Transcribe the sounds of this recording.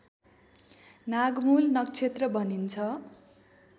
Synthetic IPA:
naɡmulnʌk̚t͡sʰet̪rʌbʱʌnint͡sʰʌ

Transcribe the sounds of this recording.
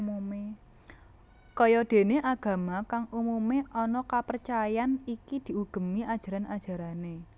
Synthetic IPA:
mume | kɔjɔd̪̥e̤neʔaɡ̥a̤makaŋumumeʔɔnɔkapərt͡ʃajanikid̪̥i̤uɡ̥ə̤miʔad̥ʒ̥a̤ɾanad̥ʒ̥a̤ɾane

